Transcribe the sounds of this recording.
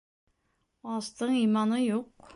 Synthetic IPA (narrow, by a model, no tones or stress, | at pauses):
ɑst̪ɤɴijmɑnɤjuq